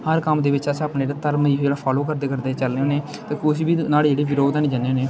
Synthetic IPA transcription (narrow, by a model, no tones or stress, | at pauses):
həɾkəmd̪eːʋɪt͡ʃəsapned͡ʒeɾaːt̪əɾmid͡ʒeːɽaːpʰaːloːkəɾd̪eːkəɾd̪eːt͡ʃəlneoːneː | t̪eːkʊʃbiːnaːld͡ʒeːɽiːʋɪɾoːd̪ɛːnẽːd͡ʒəneːneː